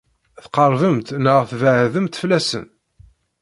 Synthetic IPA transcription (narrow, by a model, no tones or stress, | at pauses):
θqɑɾˤvəmt̪nəʁθvəʕðəmt̪flæsə̰n